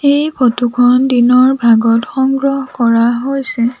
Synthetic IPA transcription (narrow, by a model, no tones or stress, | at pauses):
ejpʰotukʰɔndinɔɹbʱaɡɔtxɔŋɡɹɔɦkɔɹaɦojsɛ